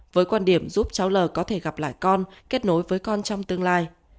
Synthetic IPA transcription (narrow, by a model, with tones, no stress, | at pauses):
vəː˨˦jkwaː˧nɗi˧˩əmzu˦˥p̚t͡ɕa˨˦wləː˨˩kɔ˨˦t̪ʰe˧˩ɣa˨˩p̚la̰ː˧˨jkɔ˧nke˦˥t̚no˨˦jvəː˨˦jkɔ˧nt͡ɕɔ˧wŋ͡mt̪ɨ˧əŋlaː˧j